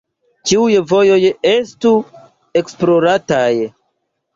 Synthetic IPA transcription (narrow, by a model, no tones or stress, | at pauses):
t͡ʃiujvo̞jo̞je̞stu | e̞ksplo̞ɾataj